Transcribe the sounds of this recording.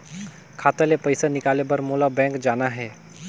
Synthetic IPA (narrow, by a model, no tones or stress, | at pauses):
kʰaːt̪elepɐɪsanɪkaːlebɐɾmoːlabɛ̃ːŋkd͡ʒaːnaɦɛː